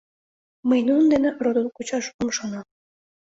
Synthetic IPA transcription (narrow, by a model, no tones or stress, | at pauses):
məjnunənd̪enerod̪ənkut͡ɕɑʃomʃonɑm